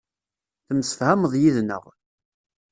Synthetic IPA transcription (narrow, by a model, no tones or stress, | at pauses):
θəmsə̥θhaməðˤjiðnə̰ʁ